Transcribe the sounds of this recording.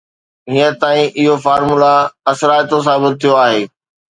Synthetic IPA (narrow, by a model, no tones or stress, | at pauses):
ɦiət̪aːĩʔɪɦofaːɾmulaɐsɾaːjt̪os̬aːbɪt̪̚t̪ʰːijoaːɦeː